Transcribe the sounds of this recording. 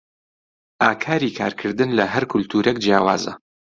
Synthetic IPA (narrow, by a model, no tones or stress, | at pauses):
ʔaːkʰaːɾikʰa̰ːɾkʰɨɾd̪ɨnlɐɦɐɾkʰʊlt̪ʰuːɾʔek̚d͡ʒjaːwa̰ːzɐ̰